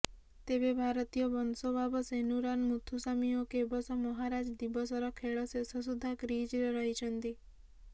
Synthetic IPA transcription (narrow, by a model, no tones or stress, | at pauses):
t̪ebebʱaɾɔt̪ijɔbɔnsɔbʱabɔsenuɾanmut̪ʰusamiɔkebɔsɔmɔɦaɾad͡ʒd̪ibɔsɔɾɔkʰeɭɔsesɔs̬ud̪ʱakɾid͡ʒɾeɾɔɦit͡ʃʰɔnt̪i